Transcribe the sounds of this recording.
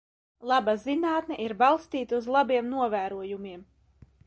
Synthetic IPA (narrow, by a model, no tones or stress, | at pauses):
lˠabazinaːt̪nɛʔiɾbɑlˠst̪iːt̪uzlˠabiɛmnuɔvæːɾuɔjumiɛm